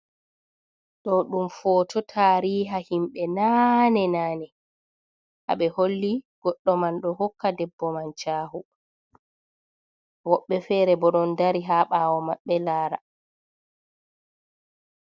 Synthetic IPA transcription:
ɗɔɗumfɔːtʰɔtʰaːɾiːɦahimɓɛnanɛnaːnɛ | ha̰ɓɛholːiɡ̥ɔɗːɔmanɗɔhɔkːadɛbːɔmant͡ʃaːhu | wɔɓːɛfɛːɾɛbɔɗɔndaɾiɦaɓaːwɔmaɓːɛlaːɾa̰

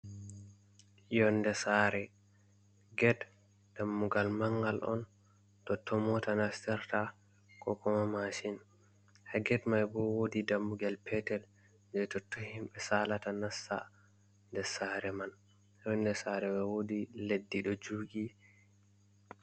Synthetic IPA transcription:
jɔndɛsaːɾɛ | ɡɛt | d̥amːuɡalmaŋɡalʔɔ̰n | tɔtːɔmɔtanastɛɾta | kɔkɔmamaʃin | haɡɛtmajbɔwodidamːuɡalpʰɛtɛl | d͡ʒɛtɔtːɔhimɓɛsalatanasːa̰ | ndɛsaːɾɛman | jɔndɛsaɾɛwɛwodiledːiɗɔd͡ʒuːɡi

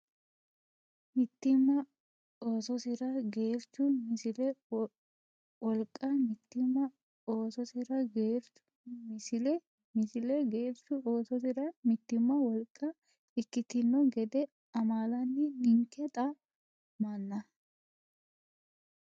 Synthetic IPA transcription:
mɪt̪ːɪmːɐ | o̞ːsɔsɪɾɐɡeːɾt͡ʃːʊmɪsɪlɛ | wɔlkʼːɐmɪt̪ːɪmːɐ | oːsɔsɪɾɐɡeːɾ | ʊ̥ | mɪsɪlɛ | mɪsɪlɛɡeːɾt͡ʃʊoːsɔsɪɾɐmɪt̪ːɪmːɐwɔlkʼːɐ | ɪkːɪt̪ɪnːɔɡɛd̪ɛ | ɐmaːlɐnːɪnɪŋkːɛt̪ʼɐ | mɐnːɐ

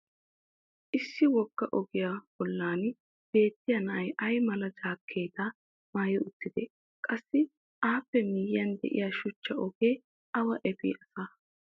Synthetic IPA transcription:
ʔɪsːɪwɔɡ̥ːɐʔɔɡɪjab̥ɔlːaːn | b̥e̞ːt̪ːɪjɐnɐʔɐjʔɐjmɐlɐd͡ʒaːkʰːe̞ːt̪a | maːjɪʊt̪ːɪd̪ɛ | kʼɐsːɪ | ʔaːpːɛmɪjɪjɐnd̪ɛ̰ʔɪ̰jaːʃʊt͡ʃːɐʔɔɡeː | ʔɐwɐʔɛpɪ̰ːʔɐsaː

